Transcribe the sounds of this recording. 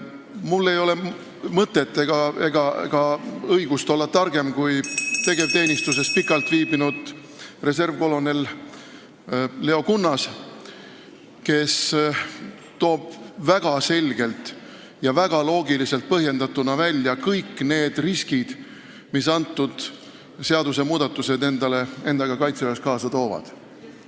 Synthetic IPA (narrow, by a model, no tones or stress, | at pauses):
mulːe̞jo̞le̞ | mɤt̪ːˑe̞t̪ːˑeɡ̥ɑe̞ɡ̥ɑḛɡ̥ɑɤjɡ̥ust̪o̞lːɑt̪ːɑrɡ̥e̞mkujt̪e̞ɡ̥e̞vt̪e̞ːnʲist̪use̞s̚pikˑːɑlt̪ˑviːbinud̪̥ | re̞se̞rvko̞lo̞ne̞l | le̞o̞kunːɑs | ke̞s | t̪o̞ːb̥væɡ̥ɑse̞lʲɡ̥e̞lt̪ˑ | jɑvæɡ̥ɑlo̞ːɡilise̞lt̪̚pɤɦje̞nd̪ɑt̪ːunɑvælʲːjɑkɤjkːne̞ːd̪riskid̪̥ | misɑnt̪ːˑud̪̥ | seɑd̪us̬e̞muːd̪̥ɑt̪ːˑuse̞d̪e̞nd̪ɑle̞e̞nɑɡ̥ɑkɑjt̪seveskɑːsɑt̪o̞ːvɑ̰d̪̥